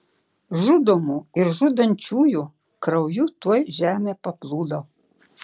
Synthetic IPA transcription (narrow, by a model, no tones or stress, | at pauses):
ʒʊd̪oːmuːɪɾʒʊd̪ɐnʲt͡ʃʲuːjuː | kɾɐʊjuːt̪uɔjʒʲæːmʲeːpɐplˠuːd̪ɐ